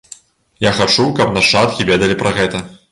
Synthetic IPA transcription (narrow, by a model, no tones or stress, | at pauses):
jaxat͡ʂukɐpnɐʂat̪̚kʲivʲɛd̪ɐlʲipɾɐɣɛt̪ɐ